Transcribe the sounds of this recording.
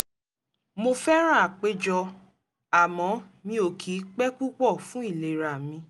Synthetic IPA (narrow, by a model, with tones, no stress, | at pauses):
mo˧fɛ˦ɾ̃ã˦˨k͡pe˦d͡ʒɔ˧ | a˨mɔ̃˨˦mĩ˧o˨kʰi˨˦k͡pɛ˦k͡pu˦k͡pɔ˦˨fũ˦i˦˨le˨ɾa˨mĩ˧